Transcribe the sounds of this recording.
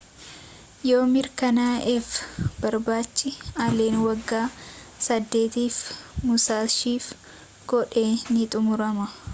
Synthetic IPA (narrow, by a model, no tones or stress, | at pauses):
jo̞ːmɪɾkɐnaːʔɪfbɐɾbaːt͡ʃːɪɐleːnwɐɡːaː | sɐd̪ːe̞ːt̪iːfmʊsaːʃiːf | ɡɔᶑe̞ːnɪt̪ʼʊmʊɾɐmɐ